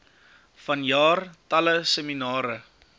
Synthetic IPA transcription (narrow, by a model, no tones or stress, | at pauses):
fɐnjɑːrtɐləsəminɑːɾə